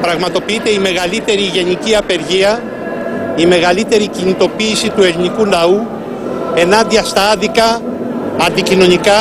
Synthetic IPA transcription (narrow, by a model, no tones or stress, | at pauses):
pɾɐɣmɐt̪o̞piit̪e̞ime̞ɣɐlit̪e̞ɾiʝe̞niciɐpe̞ɾʝiɐ | ime̞ɣɐlit̪e̞ɾicinit̪o̞piːsit̪ue̞linikunɐu | e̞nɐnd̪iɐst̪ɐɐðikɐ | ɐnd̪icino̞nikɐ